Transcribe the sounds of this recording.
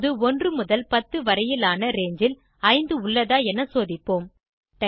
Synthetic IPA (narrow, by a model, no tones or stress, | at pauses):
ðɯɔndrɯmʊðɐlpɐt̪ːɯʋɐɾɐjɪlaːnɐɾeːɲd͡ʒɪl | ɐɪnd̪ɯʊɭːɐðaːɛnːɐsoːðɪpːoːm | t̪ɐ